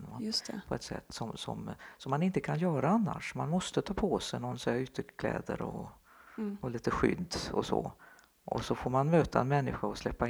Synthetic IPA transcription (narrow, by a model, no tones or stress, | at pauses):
nmast̪pʰɔɛt̪sɛ̰t̪ːsɔmsɔ̰msɔmːanɪnt̪əkʰanjœːɾaanːa̰ʂmanmɔst̪ət̪ʰɑːpʰosɛjnɔnsɛaʏt̪ʰːəkʰlɛ̰ːd̪ə̰ɾɔ̰ | ɔliːt̪əɧʏ̰d̪d̪ɔsɔ | ʔɔsɔfoːɾmanmøːt̪aɛnmɛnːɪɧaɔslɛpːa